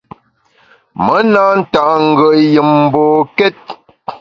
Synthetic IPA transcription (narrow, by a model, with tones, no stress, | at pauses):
mə˨˦na˦n̩˦ta˨ʔŋ̩˨ɡə˨ʔjə˨mm̩˨boː˨kɛ˦t̚